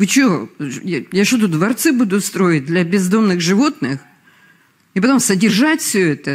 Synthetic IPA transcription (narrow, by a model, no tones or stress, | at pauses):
vɨt͡ɕɪojjaʂot̪ʊd̪vɐrt̪sɨbud̪ʊst̪ɾo̞ɪt̚ʲd̪lʲɐbʲɪzd̪o̞mnɨɣʐɨvo̞t̪nɨx | ɪpɐt̪o̞msədʲɪrʐatʲfʲsʲɵɛt̪ə